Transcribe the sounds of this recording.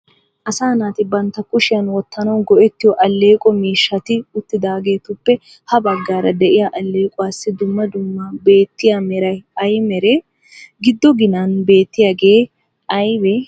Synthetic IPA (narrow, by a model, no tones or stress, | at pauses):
ʔɐsaːnaːt̪ɪbɐnt̪ːɐkʊʃɪjɐnwɔt̪ːɐnɐwɡɔʔɛt̪ːɪjɔʔɐlːe̞ːkʼɔmiːʃːɐt̪ɪʊt̪ːɪd̪aːɡe̞ːt̪ʊpːɛ | hɐbɐɡːaːɾɐd̪ɛʔɪjaʔɐlːe̞ːkʼʊwaːsːɪd̪ʊmːɐd̪ʊmːɐbe̞ːt̪ːɪjamɛɾɐjɐjmɛɾɛ | ɡɪd̪ːɔɡɪnanbe̞ːt̪ːɪjaɡeː | ɐjbɛ